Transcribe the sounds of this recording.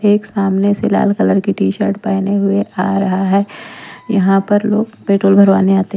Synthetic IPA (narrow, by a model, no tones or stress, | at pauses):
eːksaːmnesela̰ːlkɐləɾkiʈiːʃəɾʈpaːneɦʊeʔaːɾɐɦaɦɛːjɐɦãpɐɾloːɡpeːʈɾoːlbʱɐɾʋaːneaːt̪e